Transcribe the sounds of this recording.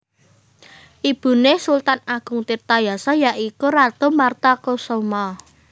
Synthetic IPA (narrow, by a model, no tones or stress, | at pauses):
ʔib̥ṳnesult̪anaɡ̥ʊ̤ŋt̪irt̪ajasɔjaʔikurad̪̥o̤mart̪akosoma